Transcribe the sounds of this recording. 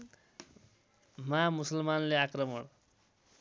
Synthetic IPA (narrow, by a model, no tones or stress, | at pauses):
mamusʌlmanleakrʌmʌɽ